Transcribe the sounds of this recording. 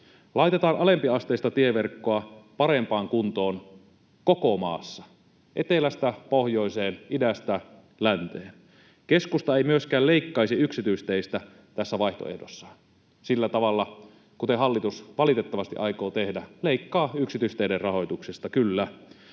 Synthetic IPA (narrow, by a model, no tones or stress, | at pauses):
lɑit̪et̪ɑːnʔɑlempiɑst̪eˑːst̪ɑt̪ieʋerkːoɑpɑɾempɑːŋkunt̪oːn | kokomɑ̰ːsːɑ | ʔet̪elæst̪æpohjoiseːnidæst̪æ | lænt̪eːn | keskust̪ɑeimyøskæːleikːɑisiyksit̪yist̪eist̪æ | t̪æsːæʋɑiht̪o̰ḛhdosːɑ̥ | silːæt̪ɑʋɑlːɑ | kut̪ehɑlːit̪usʋɑlit̪et̪ːɑʋɑst̪ḭʔɑikoːt̪ehdæleikːɑːyksit̪yist̪eiderrɑhojt̪uksest̪ɑkylːæ